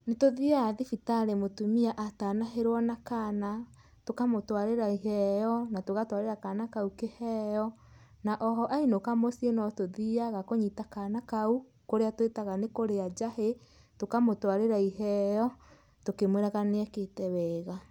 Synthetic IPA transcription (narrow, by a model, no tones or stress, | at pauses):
netoðiaːðifitaɾemotumiaʔataːnaɦeɾwɔnakana | tokamotwaɾeɾaiɦɛjɔnatoɣatwaɾeɾakanakaukehɛjɔ | naʔɔɦɔʔainokamosienɔtoðiaɣakoɲitakanakau | koɾeatwetaɣanekoɾead͡ʒahe | tokamotwaɾeɾaiɦɛjɔ | tokemweɾaɣaneɛketɛβɛɣa